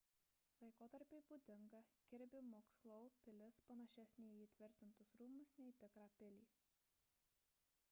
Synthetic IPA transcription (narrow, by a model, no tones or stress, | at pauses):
lˠɐɪkoːt̪ɐɾʲpʲeɪbuːd̪ʲɪŋɡɐɡʲɪɾʲbʲɪmoːkslˠɔʊpʲɪlʲɪspɐnɐʃʲɛsʲnʲeːjiːt̪ʲʋʲɪɾʲt̪ʲɪnt̪ʊsɾuːmʊsnʲɛɪt̪ʲɪkɾɑːpʲɪlʲiː